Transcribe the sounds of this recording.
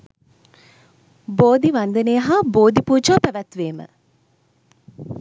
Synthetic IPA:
boːd̪iʋand̪ənejəɦaboːd̪ipuːd͡ʒɐʋapæʋæt̪ʋeːmə̰

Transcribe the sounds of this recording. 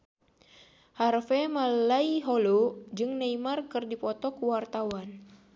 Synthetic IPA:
harfɛmallaiɦɔlod͡ʒɨŋnaimarkɨrdipɔt̪ɔkuwart̪awan

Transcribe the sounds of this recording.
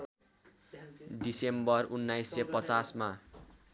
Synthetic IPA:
ɖisembʌrunːajsːepʌt͡sasma

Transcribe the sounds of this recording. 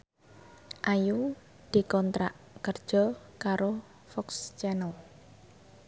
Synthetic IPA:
ʔaju | d̪̥i̤kɔnt̪ɾaʔ | kərd̥ʒ̥ɔ̤ | kaɾo | fɔkst͡ʃɛnəl

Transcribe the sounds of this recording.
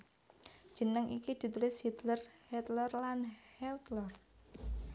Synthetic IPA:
d̥ʒ̥ə̤nəŋʔikid̪̥i̤t̪ulɪshit̪lərhɛt̪lərlanhɛt̪lər

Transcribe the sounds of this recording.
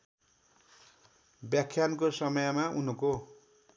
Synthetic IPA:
bjakʰːjankosʌmʌjʌmaun̤uko

